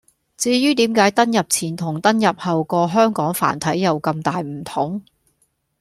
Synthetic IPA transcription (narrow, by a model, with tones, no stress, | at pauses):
t͡siː˧jyː˥t̪iː˨˥mkaː˨˥jt̪ɐ˥njɐ˨p̚t͡sʰiː˨˩nt̪ʰʊ˨˩ŋt̪ɐ˥njɐ˨p̚hɐ˨wkɔː˧ɦœː˥ŋkɔː˨˥ŋfa̰ː˨˩nt̪ʰɐ˨˥jːɐ˨wkɐ˧mt̪aː˨jm̩˨˩t̪ʰʊ˨˥ŋ